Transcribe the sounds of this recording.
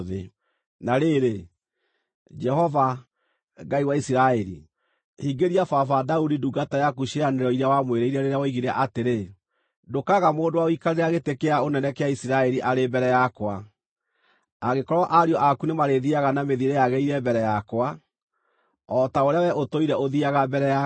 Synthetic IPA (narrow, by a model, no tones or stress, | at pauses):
ðe | naɾeɾe | d͡ʒɛhɔva | ɡaiwaisiɾaɛɾḭ | hiŋɡeɾiafafadaudiduɡatajakuɕianeɾɔiɾawamweɾeiɾɛɾeɾeawɔiɣiɾaʔateɾe | dokaɣamoːdowaoikaɾeɾeaɣetekeaonɛnɛkeaisiɾaɛɾiʔaɾebɛɾɛjakwa | aɣekɔɾwɔʔaɾiɔʔakunemaɾeðiaɣanameðiɾejaɣɛiɾɛmbɛɾɛjakwa | ɔtaoɾeawɛʔotoiɾɛoðiaɣabɛɾɛja